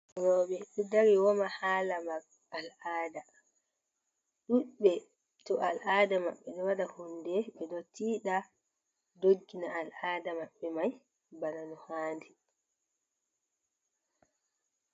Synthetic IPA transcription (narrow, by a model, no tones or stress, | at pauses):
ɾɔɓɛɗudaɾiwɔmahaːlamaɡ | alaːda | ɗuɓɛ | tɔʔalʔaːdama̰ɓːɛɗɔwaɗahundɛɓɛɗɔtiːɗa | doɡːinaːlaːdamaɓːɛmaj | bananɔhaːndi